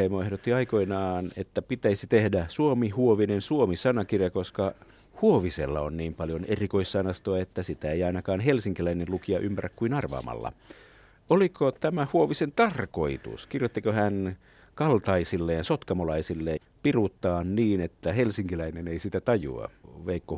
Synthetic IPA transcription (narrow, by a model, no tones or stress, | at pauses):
emoehdot̪ːiɑikoinɑːnet̪ːæpit̪æisit̪ehdæsuomihuoʋinensuomisɑnɑkirjɑkoskɑ | huoʋisḛlːɑonniːmpɑljonerikoissɑnɑst̪oɑet̪ːæsit̪æeiɑinɑkɑːnhelsiŋkilæinenlukiɑʔympærækkuinɑrʋɑ̰ːmɑ̰lːɑ̰ | olikot̪æmæhuoʋisent̪ɑrkoit̪ṵskirjot̪ːikohæn | kɑlt̪ɑisilːeːnsot̪kɑmolɑisilːe | pirut̪ːɑːnniːnet̪ːæhelsiŋkilæineneisit̪æt̪ɑjṵɑ̰ʋeikːo